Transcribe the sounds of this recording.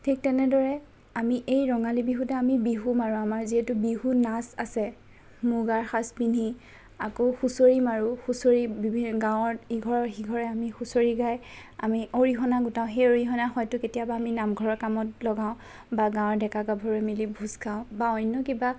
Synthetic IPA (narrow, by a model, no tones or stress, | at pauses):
tʰik̚tɛnɛdɔɹɛ | amiʔejɹɔŋalibiɦutɛamibiɦumaɹũamaɹziɦɛtʊbiɦunasasɛ | muɡaɹxaspini | akoxusoɹimaɹuxusoɹibibʱiɡãwɔɹiɡʱɔɹɔɹxiɡʱɔɹɛamixusoɹiɡaj | a̰miʔoɹixɔnaɡutãʊ̃xejoɹixɔnaxɔjtʊketijabaːminamɡʱɔɹɔɹkamɔtlɔɡãʊ̃ | baɡãwɔɹdɛkaɡabʱoɹɛmilibʱuskʰaʊ̃baɔjnːɔkiba